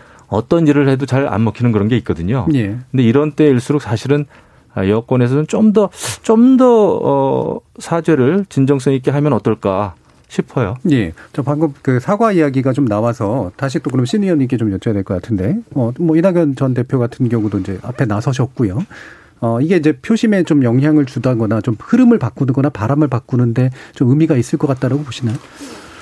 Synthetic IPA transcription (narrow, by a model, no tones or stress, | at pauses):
ʌ̰t͈ʌniɾɯɭhe̞dot͡ɕaɾa̰nmʌkʰinɯnkɯɾʌnɡe̞it̚k͈ʌdɯɲoje̞kɯnde̞iɾʌnt͈e̞iɭs͈uɾok̚s͈ʰaɕʰiɾɯn | ʌjʌk͈wʌne̞sʰʌnnt͡ɕ͈omdʌt͡ɕ͈omdʌʌ̰sʰad͡ʑe̞ɾɯɭt͡ɕind͡ʑʌŋs͈ʌŋik͈eɦamjʌnʌt͈ʌɭk͈a | ɕʰipʰʌjoje̞t͡ɕapaŋɡɯp̚kɯsʰaɡwaijaɡiɡat͡ɕomnawasʰʌtaɕ̬ʰit͈ok̬ɯɾʌmɕ͈ʰinijʌɲik̬͈e̞t͡ɕomjʌt͡ɕ͈ʌjadwe̞ɭkʌkatʰɯnde̞ʌmʌinaɡjʌnt͡ɕʌnte̞pʰjoɡatʰɯnɡjʌŋudoind͡ʑe̞ʔapʰe̞nasʰʌɕ̬ʰʌk̚k͈ujo | ʌiɡe̞ind͡ʑe̞pʰjoɕʰime̞t͡ɕomjʌŋɦjaŋɯɭt͡ɕudanɡʌnat͡ɕomhɯɾɯmɯɭpak͈unɯnɡʌnapaɾamɯɭpak͈unɯnde̞t͡ɕomɯmiɡais͈ɯɭk͈ʌk͈at̚t͈aɾaɡopoɕʰinajo